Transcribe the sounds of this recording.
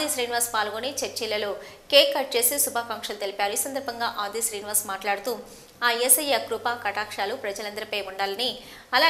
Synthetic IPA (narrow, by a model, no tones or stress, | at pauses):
d̪iːsɾiːniʋaːɾspaːlɡoːnit͡ʃɐɾt͡ʃilːɐloːkeːkɐʈ̚t͡ʃe̞ːsisubʱaːkaːŋkʂɐlut̪e̞lipʲaːɾuiːsɐnd̪ɐɾbʱɐŋɡaːʔaːd̪iːsɾiːnʋaːɾsmaːʈlaːɽut̪uː | aːesɐjekɾupaːkɐʈaːkʂaːlupɾɐd͡ʒɐlɐnd̪ɐɾipeːʋuɳɖaːlɐni | ɐlaː